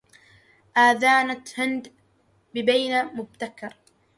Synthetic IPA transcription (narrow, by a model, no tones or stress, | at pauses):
ʔaːðaːnat̪hɪnd̪ | bɪbajnamʊb̚t̪akːɑɾˤ